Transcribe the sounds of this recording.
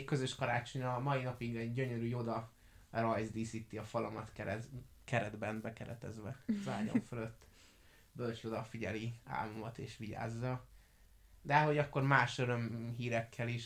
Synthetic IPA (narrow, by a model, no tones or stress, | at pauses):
kø̞zøʃkɒɾaːt͡ʃo̞ɲɒmɒinɒpiɡɛɟːø̞ɲøɾyːjo̞d̪ɒ | rɒjzd̪isit̪ːiɒfɒlɒmɒt̪kɛɛ | kɛɾɛd̪bɛnbɛkɛɾɛ̰t̪ɛ̰zʋɛza̰ːɟo̰ɱfølø̞t̪ː | bølt͡ʃjo̞d̪ɒfiɟɛlia̰ːlumɒt̪ḛːʃʋiɟa̰ːzːɒ | d̪ɛɦo̞ɟɒkːo̞rmaːʃøɾø̞mɦiːɾɛkʰːɛliʃ